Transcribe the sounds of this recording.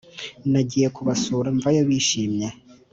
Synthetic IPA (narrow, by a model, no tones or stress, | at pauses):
naɟijekuβasoɾaɱvajoβiːʃiːmɲa